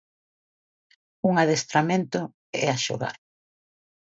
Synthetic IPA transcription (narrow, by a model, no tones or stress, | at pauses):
uŋaðest̪ɾamẽnt̪ʊ | ɛaʃo̰ɣa̰ɾ